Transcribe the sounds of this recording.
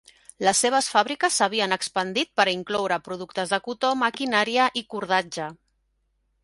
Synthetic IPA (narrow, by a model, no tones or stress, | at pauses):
ləsːeβ̞əsfaβɾikəsːəβ̞iənəkspənd̪it̪̚pəɾiŋklɔwɾəpɾuð̞uk̚t̪əzðəkut̪omakinaɾiəʔikuɾð̞ad͡ʒə